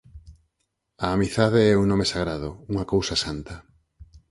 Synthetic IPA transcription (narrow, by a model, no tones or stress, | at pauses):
aːmiθaðeɛunɔ̃mesaɣɾaðʊuŋɐkowsɐsant̪ɐ